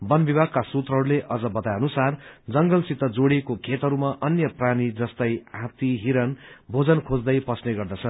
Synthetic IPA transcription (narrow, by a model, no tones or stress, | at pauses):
bʌnbibʱaɡ̚kasut̪rʌɦʌɾuleʔʌd͡zʌbʌt̪ajʌnusard͡zʌŋɡʌlsit̪ːʌd͡zoɽekokʰet̪ɦʌɾumaʔʌnjʌpranid͡zʌst̪ʌjɦãt̪iɦiɾʌnbʱod͡zʌnkʰod͡zd̪ʌjpʌsneɡʌrd̪ʌt͡sʰʌn